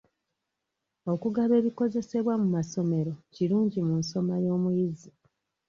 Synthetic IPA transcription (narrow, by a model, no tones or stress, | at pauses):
o̞kuɡaβe̞ːβiko̞ze̞se̞βwamumaso̞me̞ɾo̞ciɾuːɲɟimunso̞majo̞ːmujizi